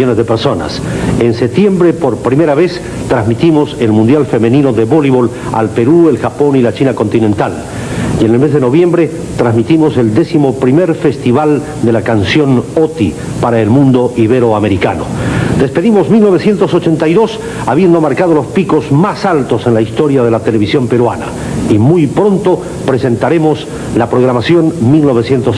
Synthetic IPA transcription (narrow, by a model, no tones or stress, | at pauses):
onezðepeɾso̞na̰sensep̚t̪je̞mbɾe̞po̞ɾpɾime̞ɾaβe̞s | t̪ɾazmit̪imo̞se̞lmũnd̪jalfe̞me̞nĩno̞ðeβoliβol | a̰lpe̞ɾue̞lxapo̞nilat͡ʃinako̞nt̪inẽnt̪al | jene̞lme̞zðe̞no̞βje̞mbɾe̞ | t̪ɾazmit̪imo̞se̞ld̪e̞simo̞pɾime̞ɾfe̞st̪iβal | d̪elakansjo̞not̪i | paɾaelmũnd̪o̞ʔiβ̞eɾo̞ame̞ɾika̰no̞̰d̪e̞spe̞ðimo̞zmilno̞β̞e̞sje̞nt̪o̞sot͡ʃe̞nt̪ajðo̞s | aβjend̪o̞maɾkað̞o̞lo̞spiko̞zmasalt̪o̞se̞nlaist̪o̞ɾjaðe̞lat̪e̞le̞β̞isjo̞mpe̞ɾwana̰ | imujpɾo̞nt̪o̞ | pɾe̞se̞nt̪aɾe̞mo̞s | lapɾoɣ̞ɾamasjo̞nmilno̞β̞e̞sje̞nt̪os